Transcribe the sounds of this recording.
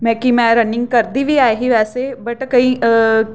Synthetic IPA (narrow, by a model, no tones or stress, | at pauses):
mɛ̃ːkimɛ̃ːɾɐnɪŋɡ̚kɐɾd̪iʋʱiaːeɦiʋɛːsebɐʈkəĩː